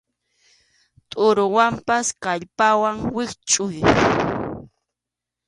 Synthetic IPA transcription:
t̪ʼʊɾʊwampaskaʎpawaŋwɪkt͡ʃʼʊj

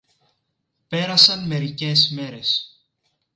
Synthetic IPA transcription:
pe̞ɾɐsɐnme̞ɾice̞szme̞ɾe̞s

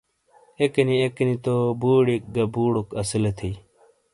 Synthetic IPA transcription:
ekɐniekɐnit̪obuːɽik̚ɡɐbuːɽokɐsilɐt̪ʰiː

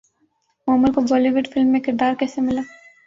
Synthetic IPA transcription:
mɔːmʊlkobɔːliʋɪɖfɪlmːẽkɪɾd̪aːɾkɛːsemɪlaː

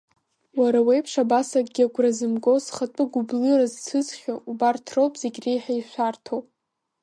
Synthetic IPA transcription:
waɾawejpʰʂabasakʼɡʲiaɡʷrazɨmɡʼosχatʼɨɡʷʊblɨrazt͡sʰɨzχʲoubartʰrowpʼz̥eɡʲrejħaiʃʷartʰowpʼ

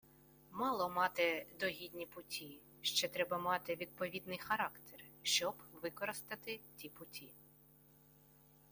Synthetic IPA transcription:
mɑlˠɔmɑt̪ɪd̪ɔɦʲid̪ʲnʲipʊtʲʰi | ʃt͡ʃɛt̪ɾɛbɐmɑt̪ɪʋʲid̪̚pɔʋʲid̪nɪjxɐɾɑkt̪ɛrʃt͡ʃɔbʋɪkɔɾɪst̪ɐt̪ɪtʲipʊtʲʰi

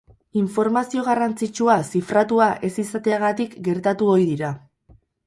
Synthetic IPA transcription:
iɱfo̞ɾmasio̞ɣ̞arant͡sit͡ʃuasifɾat̪uaʔe̞sisat̪eaɣat̪ikɡe̞ɾt̪at̪uo̞jðiɾa

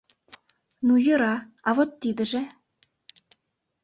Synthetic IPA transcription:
nujɤ̆ɾɑɑvot̪ːid̪ɘ̆ʒĕ

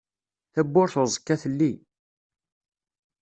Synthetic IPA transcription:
θæbːʊɾθʊzˤə̥kːæθəlːi

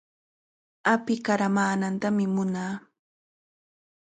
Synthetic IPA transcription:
apɪkaɾamaːnant̪amɪmʊnaː

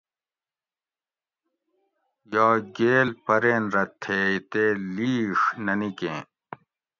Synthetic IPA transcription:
jaːɡeːlpɐɾeːnɾɐt̪ʰːeːit̪eːliːʂnɐnikẽː

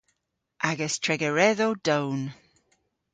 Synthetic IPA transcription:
ʔaɡəstʰɹɛɡəɹɛðowd̥own

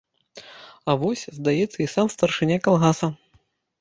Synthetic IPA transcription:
ɐvɔsʲzd̪ajɛt̪sːɐisamst̪ɐrʂɨnʲakalˠɣasɐ

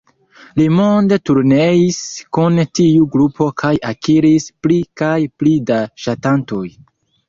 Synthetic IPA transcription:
limonde̞tuɾneiskuntiuɡɾupʰo̞kʰajakiɾisplikajplidaʃatanto̞j

